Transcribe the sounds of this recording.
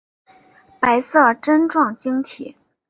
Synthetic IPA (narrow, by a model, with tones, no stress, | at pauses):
pa˧˥ɪsɤ˥˩ʈ͡ʂə˥nʈ͡ʂwɑ˥˩ŋt͡ɕi˥ŋt̪ʰḭ˨˩˦